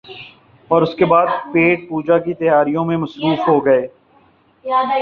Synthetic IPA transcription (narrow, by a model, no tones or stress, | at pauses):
ɔːɾʊskebaːd̪̚peːʈ̚puːd͡ʒakit̪ɐjaːɾijõmẽmɐsɾuːfɦoɡɐeː